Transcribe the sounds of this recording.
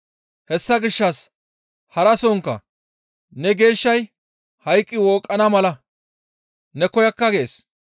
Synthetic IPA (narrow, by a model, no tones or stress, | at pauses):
hɛsːɐɡɪʃːɐs | hɐɾɐsɔŋkːɐ̰ | nɛɡe̞ːʃːɐj | hɐjkʼːɪwɔːkʼːɐnɐmɐlɐ | nɛkɔjɐkːɐɡeeːs